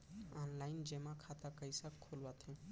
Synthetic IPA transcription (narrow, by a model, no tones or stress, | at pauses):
anlaɪnd͡ʒemãkʰat̪akəjsakʰːolʋat̪ʰẽ